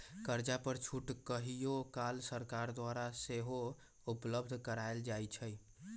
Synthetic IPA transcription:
kəɾd͡ʒapəɾt͡ʃʰuʈkəɦijokalsəɾkaɾd̪waɾaseɦo | upləbd̪ʱkəɾaeld͡ʒajt͡ʃʰəj

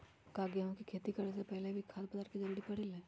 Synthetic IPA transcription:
kaɡjaʋãkikʰeːt̪ikəɾes̬epɛɦlebʱikʰad̪pəd̪aːɾked͡ʒəɾɽipəɽilẽː

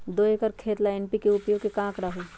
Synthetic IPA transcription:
d̪oːekəɾkʰeːt̪laɛnpikeʊpjokekãːkɾaɦu

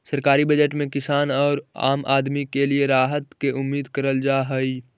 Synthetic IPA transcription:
sɐɾkaːɾibɐd͡ʒəʈmẽkɪsaːnɔːɾa̰ːmʔa̰ːd̪mikelieɾaːɦət̪keʔʊmːiːd̪kɐɾəld͡ʒaːɦəi

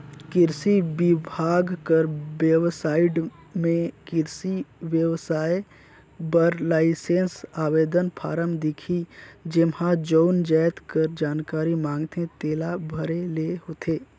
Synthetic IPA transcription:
kɪɾsibɪbʱaːɡkəɾbjəwsaːɪɖ | mẽkɪɾsiʋjəwsaːe | bəɾlaːɪsẽːnsaːʋeːd̪ənpʰa̰ːɾəmd̪ɪkʰid͡ʒɪmhãd͡ʒoʊnd͡ʒaːjt̪kəɾd͡ʒaːnkaːɾimãːŋɡt̪ʰẽt̪eːlabʱəɾeleɦoːt̪ʰeː

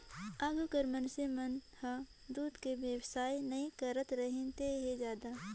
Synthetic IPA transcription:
aːɡukəɾmənsemɐnha | d̪uːd̪keʋjəwsaːinɐĩkɐɾət̪ɾɐɦẽnt̪eɦed͡ʒjaːd̪a

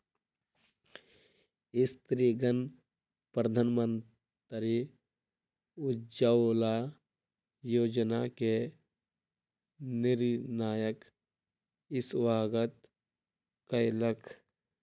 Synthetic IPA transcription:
ɪst̪ɾiɡən | pɾəd̪ʱaːnmən | t̪ɾi | ʊd͡ʒaola | joːd͡ʒnake | nɪɾnaːjək | ɪsʋaːɡət̪ | kəjləkʰ

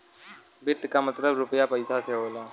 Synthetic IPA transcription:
bɪt̪kamət̪ləbɾʊpəjapəɪsaseɦoːlaː

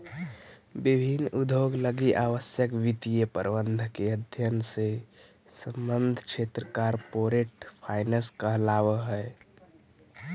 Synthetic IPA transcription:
bibʱinud̪ʱoɡləɡiʔaʋəsjəkʋit̪ijəpə̰ɾbənd̪ʱkeəd̪ʱjənse | səmbənd̪ʱkt͡ʃʰet̪ɾəkaɾpoɾeʈpʰaɪnəskəɦlaʋəɦɛe

